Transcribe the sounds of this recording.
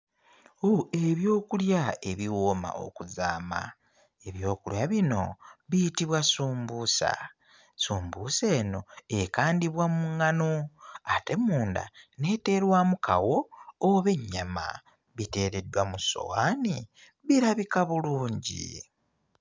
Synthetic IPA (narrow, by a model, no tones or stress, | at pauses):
oe̞βjo̞ːkuljae̞βiwoma̰ʔo̞̰kuzaːma̰ | eβjo̞ːkuljaβino̞̰βijitiβwasuːmbuːsa̰ | suːmbuːse̞ːno̞ekaːndiβwamuŋːanoate̞muːnda̰ne̞te̞ɾwamukʰa̰wo̞ːβe̞ɲːama̰ | βite̞ːɾe̞dwamuso̞̰waːni | βiɾaβikaβuluːɲɟḭ